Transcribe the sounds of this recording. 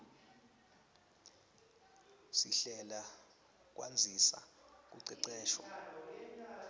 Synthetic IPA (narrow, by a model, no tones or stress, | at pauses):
siɬɛla | k̬ʼwa̰nd͡zʱisa̰k̬ʼuǀɛǀɛːʃwa